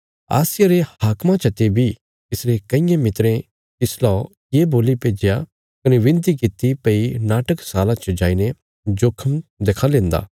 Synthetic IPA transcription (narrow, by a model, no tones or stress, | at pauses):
a̰ːsɪjaɾehaːkmãt͡ʃʰɐt̪ebʱi | t̪ɪsɾekɐɪ̃jãmɪt̪ɾẽ | t̪ɪslɔ | jeːboːlipeːd͡ʒja | kɐneʋɪ̃nt̪̬ikɪt̪ːipɐinaːʈəksaːlãt͡ʃəd͡ʒaːine | d͡ʒoːkʰəmd̪eːkʰãlẽːnd̪a̰ː